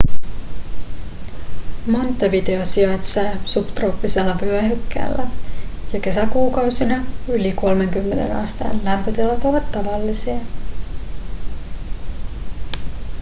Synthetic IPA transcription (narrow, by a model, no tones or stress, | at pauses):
mo̞nt̪ːɑʋide̞osiɑjt̪sɑsupt̪ropːiselːɑpyæhykːæ̰ːlːæjɑke̞sækuːkɑwsinɑyliko̞lme̞ŋkymːe̞ne̞̰nɑ̰st̪ɑ̰ːnlæmpøt̪elːɑt̪oʋɑt̪ːɑʋɑlːisiɑ